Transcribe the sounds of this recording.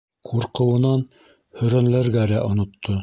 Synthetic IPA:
qʰuɾqɤ̆wɤ̆nɑn | hɵ̆ɾænlæɾɡælæʔŏnŏt̪ʰːo

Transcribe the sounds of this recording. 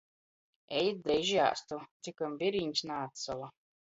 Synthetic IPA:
ɛjd̪̚d̪ɾɛjʒja̰ːst̪ut̪sʲikamvʲiɾiɲʲsnaːt̪sɔlˠa

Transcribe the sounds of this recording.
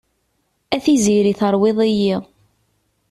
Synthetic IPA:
æθiziɾiθəɾˤweðˤɪji

